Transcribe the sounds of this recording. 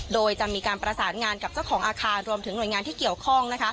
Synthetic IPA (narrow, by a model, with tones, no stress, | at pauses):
doː˧jt͡ɕa˨˩miː˧kaː˧npɾa˧saː˩˦nŋaː˧nka˨˩p̚t͡ɕa˥˩wkʰɔː˩˦ŋʔaː˧kʰaː˧nɾu˧əmt̪ʰɯ˩˦ŋnu˨˩əjŋaː˧nt̪ʰiː˥˩ki˨˩əwkʰɔ˥˩ŋna˦˥kʰa˦˥